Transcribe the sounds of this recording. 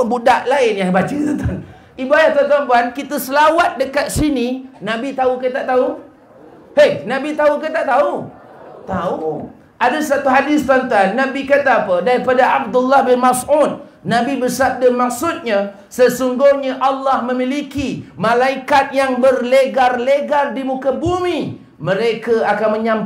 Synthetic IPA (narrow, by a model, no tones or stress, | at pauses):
budaʔlaɪnjaŋbat͡ʃət̪at̪an | ibuajaht̪uant̪anpuankit̪asəlawat̪̚dəkat̪̚sininãbit̪aukit̪aʔt̪au | hehnãbit̪aukit̪aʔt̪au | t̪au | ʔadasat̪uɦadɪst̪uant̪uanːãbikat̪aːpədaɾipadaʔab̚d̪ʊlːahbɪnmasut̪̚ | nãbibərsap̚damak̚sut̪̚ɲã | səsuŋɡuhɲaʔalːɑhmə̃milikimãlaikat̪̚jaŋbərleɡarleɡardimũkabumĩ | mə̃ɾekaakanmə̃ɲãm